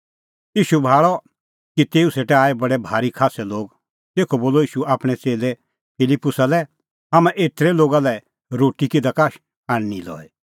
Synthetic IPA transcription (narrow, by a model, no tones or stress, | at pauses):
iːʃubʱaːɭɔ | kit̪eːũseːʈɛaːebɐɽɛbʱaːɾikʰaːsɛloːɡ | t̪eːkʰoboːlɔiːʃuaːpɽ̃ɛt͡seːle | pʰɪlɪpːʊsalɛ | ɦamãʔeːt̪ɾeloːɡalɛ | ɾoːʈikid̪akaːʃ | aɽnilɔ̰ːɛ